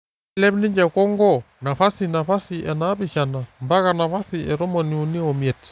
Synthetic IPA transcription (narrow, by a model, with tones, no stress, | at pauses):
lɛ˦bnɪ˦ɲd͡ʒɛ˨kɔ˦ŋɡɔ˦ | na˨fa˦si˨na˨fa˦si˨ʔɛ˨na˦bi˨ʃa˨na˨mba˦ka˨na˨fa˦si˨ɛ˨ɾɔ˦mɔ˨ni˨u˨ni˦ɔ˨mjɛ˨t